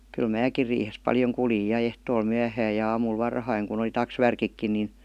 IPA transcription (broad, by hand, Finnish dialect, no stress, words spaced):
kyl mæːkir riːhes pɑljoŋ kuljij jɑ ehtoːl myæhæːj jɑ ɑːmul ʋɑrhɑiŋ kun oli tɑksʋærkikːin nin